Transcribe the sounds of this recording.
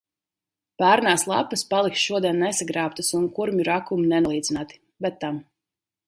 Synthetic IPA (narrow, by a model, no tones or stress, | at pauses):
pæːɾnaːslˠa̰pːɨspalˠiksʃuɔd̪iɛnːɛsaɡɾaːp̚t̪asunkuɾmʲuɾakuminɛnuɔlˠiːd̪zinaːt̪i̥ | bɛt̪ːam